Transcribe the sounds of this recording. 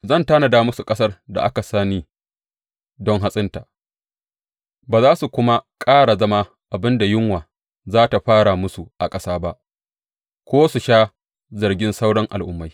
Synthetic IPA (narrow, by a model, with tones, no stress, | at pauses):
zɐ˦˨ntaː˦na˨daː˦mʊ˦su˨kʼɐ˦sɐ˦rda̰˨ʔa˦ka˨saː˦niː˦ | dɔ˦ŋɦa˦sʼɪ˦nta˨ | baː˨zaː˦su˨kʷʊ˦ma˦kʼaː˦ɽa˨zɐ˦ma˦ | ʔa˨bɪ˦nda˨jɪ˦ŋwaː˨ | zaː˦ta˨ɸaː˦ɽa˨mʊ˦su˨ʔa˨kʼɐ˦saː˦ba˦ʔ | kʷoː˦su˨ʃaː˦ | zɐ˨rɡʲɪ˦nsa˦wɽɔ˦ŋʔa̰˨lʔʊ˦mːa˦j